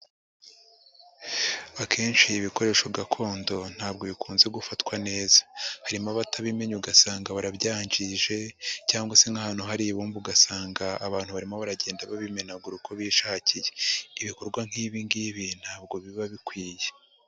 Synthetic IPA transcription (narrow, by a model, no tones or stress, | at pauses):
akʰe̞ːnʃiːβiko̞ɾe̞ːʃoɡakʰo̞ːndo̞n̥haːb̚ɡo̞βikʰuːnzeɡufatkwane̞ːzḁhaɾimaβataβime̞ɲuɡasaːŋɡaβaɾabɟaːɲd͡ʒiʒe̞caːŋɡwase̞ŋahaːn̥huɦaɾiβuːmbuɡasaːŋɡaːβaːn̥huβaɾimoβaɾaɟe̞ːndaβaβime̞naɡuɾukʰo̞βiʃaːcijeiβiko̞ɾɡwaŋ̥hiːβiŋɡiβin̥haːb̚ɡo̞βiβaβikwiːje